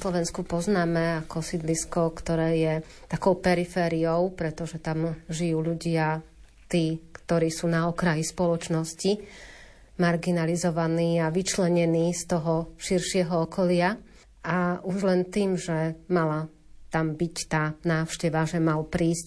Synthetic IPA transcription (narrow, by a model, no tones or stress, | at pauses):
slɔʋɛnskupɔznaːmɛakɔsid̪liskɔkt̪ɔɾɛːjɛ | t̪akɔʊpɛɾifɛːɾiɔʊpɾɛt̪ɔʒɛt̪amʒijuːʎuɟɪa | t̪iːkt̪ɔɾiːsuːnaɔkɾajispɔlɔt͡ʃnɔsci | maɾɡinalizɔʋaniːaʋit͡ʃlɛɲɛniːst̪ɔɦɔʃiɾʃɪɛɦɔɔkɔlɪa | auʒlɛnt̪iːmʒɛmala | t̪ambict̪aːnaːʊʃcɛʋaʒɛmalpɾiːsc